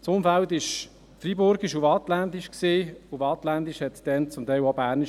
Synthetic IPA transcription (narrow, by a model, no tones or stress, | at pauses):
sʊmfæltɪʃ | fribʊɾɡiʃʊfɑt̪læntiʃksiːʊfɑt̪lændiʃhɛtd̥ɛnt͡sʊmtɛɪlobæːrniʃ